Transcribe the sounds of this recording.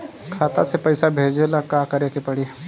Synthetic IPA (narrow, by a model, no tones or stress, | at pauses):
kʰaːt̪asepɐɪsabʱeːd͡ʒelakaːkɐɾeːkepɐɽi